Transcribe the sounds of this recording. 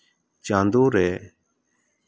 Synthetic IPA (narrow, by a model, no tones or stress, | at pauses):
t͡ʃãːnd̪uːɾeː